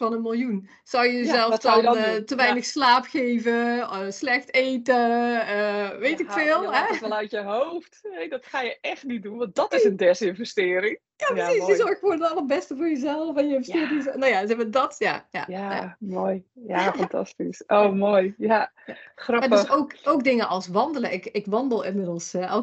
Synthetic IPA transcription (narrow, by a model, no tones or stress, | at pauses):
fɑnənmɪlˠjun | sɔwjəəzɛlˠfdɔntəʋɛjnəxslaːpxejvəəslɛxtejtəəʋejtɪffɪːlˠɦɛɛlˠatjəɦowfthɛdɔtxaːjəʔɛxtnit̚dunʋɑ̃nt̚dɔtɪsəndɛsɪnvɛstɪːəɾɪŋ | japrəsisjəzɔrxəfoːndtɑlˠəbɛstəvoːjəzɛlˠfɔnjəɪnvɛstɪəɾɪsnojazɛədɔtja̰ja̰jaja̰moːjjafɑntɑ̰stisoːmoːjja | axrɑmadəsoːkok̚dɪŋəʔɔlˠsʋɑndələʔɪkɪkʋɑndəlˠɪnmɪdəlˠsɔ